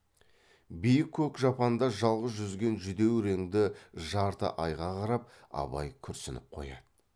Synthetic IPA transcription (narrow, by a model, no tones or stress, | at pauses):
bijɪkʲʰːɵkʒɑpɑnd̪ɑʒɑlˠʁəzʒʏzɡʲe̞nʒʏd̪e̞wɾeŋd̪ɪʒɑɾt̪ə̰ʔɑjʁɑqʰɑɾɑp̚ | ɑ̰bɑ̰jkʲʰʏɾsɪnɪp̚qʰo̞̰jɑ̰d̪̥ə